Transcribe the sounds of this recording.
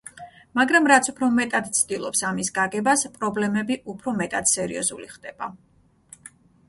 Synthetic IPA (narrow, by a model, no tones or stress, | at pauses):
maɡɾamɾat̪sʰupʰɾɔmɛt̪ʼad̪t̪sʰd̪̥ilˠɔpsamisɡaɡɛbaspʼɾɔblɛmɛbiʔupʰɾɔmɛt̪ʼad̪̥sɛɾḭɔzṵlḭχd̪ɛb̥a